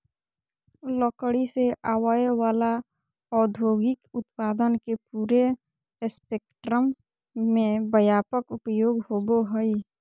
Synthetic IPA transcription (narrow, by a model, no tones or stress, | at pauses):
lɔːkəɽiseʔaːwajwaːla | ɔːd̪ʱoːɡɪkʊt̪̚paːd̪ənkepuːɾe | speːkʈɾəmː | ẽbəjaːpəkʊpjoːɡhoːɡoɦəi